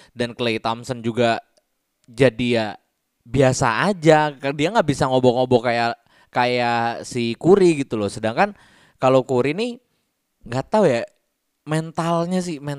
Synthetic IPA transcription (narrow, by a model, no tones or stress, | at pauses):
danklejt̪amsənd͡ʒuɡa | d͡ʒadija | biasa̰ːd͡ʒadiaŋɡaʔbisaŋobɔŋobɔkaja | kajasikuɾiɡit̪ulɔsədaŋkan | kalokuɾini | ŋɡat̪auja | mɛnt̪alɲas̬ɪhmɛn